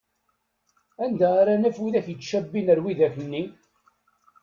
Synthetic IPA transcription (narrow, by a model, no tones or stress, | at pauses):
ænd̪æaɾanæfuðæçjət͡sːʃæbːinəɾwiðæçənːi